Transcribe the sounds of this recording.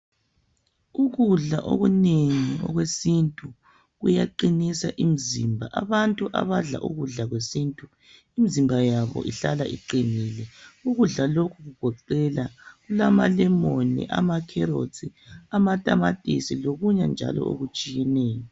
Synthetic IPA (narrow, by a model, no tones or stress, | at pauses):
uɣuɮa̰ʔo̰ɣuneŋiɔ̰ɣwesintʼu | ɣujaǃinisaʔimizimbʱaʔaβantʼuʔa̰βaɮa̰ʔuɣuɮaɣwesintʼu | imizimbʱajaβɔ̰ʔiɬalaʔḭǃinilɛuɣuɮalokʰuɣuɡ̥ʱɔǃɛlaɣulamalɛmonḭʔa̰makʰɛɾo̰t͡sʰʼiamatʼamatʼisiloɣuɲand͡ʒʱa̰lɔ̰o̰ɣut͡ʃʼijɛneːjɔ